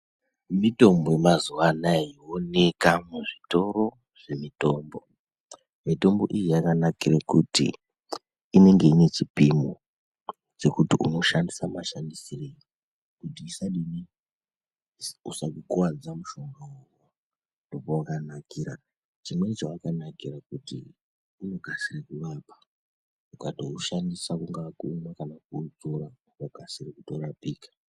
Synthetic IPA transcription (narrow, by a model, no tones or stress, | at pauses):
mito̞mbojemazuwanajiwone̞kamuʐito̞ro̞ | ʐ̥e̞mito̞mbo̞ | mito̞mbo̞ʔijijakanakirakutḭː | ne̞ŋɡe̞ine̞t͡ʃipimo | d͡ze̞kutiʔuno̞ʃandisamaʃandisireji | kutiːsaɗini | usakukuwad͡zamuʃo̞ŋɡawo | a | ndo̞powakanakiːɾa | t͡ʃimwe̞t͡ʃawakanakirakutḭ | uno̞ɡʱasirekuʋapḁ | ukatouʃandisakuŋɡakuːnakanakuːd͡zoɾaukoɡ̥ʱasirekuto̞rapiːkḁ